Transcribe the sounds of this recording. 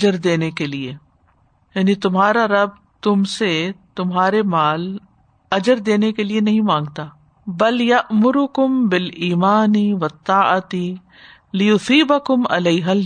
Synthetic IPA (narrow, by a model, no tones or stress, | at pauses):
d͡ʒəɾd̪eːnekelieː | jaːnit̪ʊmɦaːɾaɾɐb̚ | t̪ʊmset̪ʊmɦaːɾemaːl | ɐd͡ʒəɾd̪eːnekelienɐɦĩmãːŋɡt̪aː | bɐljɐʔmʊɾʊkʊmbɪliːmaːniʋɐt̪ːaːɐt̪i | lɪjʊsiːbɐkʊmɐ̰leːɦɐl